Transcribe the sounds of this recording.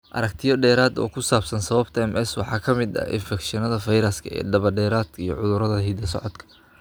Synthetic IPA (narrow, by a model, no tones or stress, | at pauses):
ʔɐ̰ɾɐk̚t̪ʰɪjɔɖɛːɾaːd̪ɔ̰ːkʰʊsaːbsɐnsɐβɐbt̪ʰɐɛmʔɛswɑħɑːkʰɐmɪd̪ɐ̰ɪ̰nfɛkʃɪnɐðɐfɐjɾɐskʰɐɛ̰ːɖ̪ɐβɐɖɛːɾaːd̪ʰijɞʕʊðʊɾɐðɐɦiːd̪ɐsɔ̰ʕɔd̪kʰɐ̥